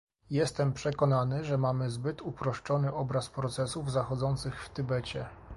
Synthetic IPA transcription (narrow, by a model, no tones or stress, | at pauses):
jɛst̪ɛmpʂɛkɔnanɘʐɛmamɘzbɘt̪upɾɔʂt͡ʂɔnɘɔbɾaspɾɔt̪sɛsuvzaxɔd̪zɔnt̪sɘxft̪ɘbɛt͡ɕɛ